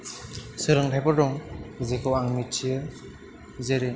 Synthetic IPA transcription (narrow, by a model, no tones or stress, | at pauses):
sɯɾɯŋtʰajpɔɾdɔŋzekʰɯwaŋmit͡ʃʰiɯɾ | zeɾe